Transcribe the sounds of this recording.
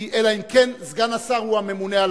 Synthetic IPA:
ielaimkenzɡanasaʁuamemuneal

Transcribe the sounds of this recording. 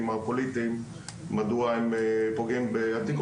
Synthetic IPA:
mapolit̪im | mad̪uaimepoɡimbeat̪ik

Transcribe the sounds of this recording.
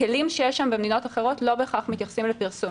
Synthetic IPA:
elimʃejeʃambemed̪ino̞t̪aχeʁo̞tlo̞beχaχmit̪jaχsimlepiʁsum

